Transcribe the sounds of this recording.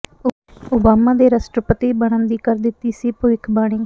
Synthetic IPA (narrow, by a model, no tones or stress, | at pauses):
ʊːbaːmaːd̪eːɾasʈɾəpət̪iːbəɽ̃ənd̪iːkəɾd̪ɪt̪ːiːsiːpʊɪkʰbaːɽ̃ɪ̃ː